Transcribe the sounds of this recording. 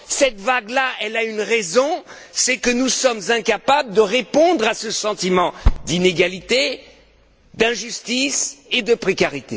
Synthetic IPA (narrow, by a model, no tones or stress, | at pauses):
sɛt̪vaɡlaʔɛlaynʁɛzɔ̃ | sɛkənusɔmzɛ̃kapabld̪əʁepɔ̃d̪ʁasəsɑ̃t̪imɑ̃d̪ineɡalit̪e | d̪ɛ̃ʒyst̪ised̪əpχekaʁit̪e